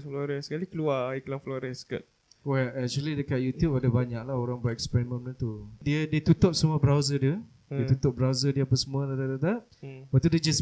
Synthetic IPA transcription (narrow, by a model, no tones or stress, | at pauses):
flɔɾɛnskalikəluaiklaŋflɔɾɛska̰t̪̚ | wɛlɛk̚t͡ʃuəlidəkat̪̚jut̪jupadabaɲak̚lahoɾaŋbaʔɛkspɛɾimə̃npənət̪udiədiət̪ut̪ʊp̚səmũəbɾawzədiə | diət̪ut̪ʊp̚bɾawzədiəapasəmũədadadad̪aʔ̚ | bat̪uded͡ʒas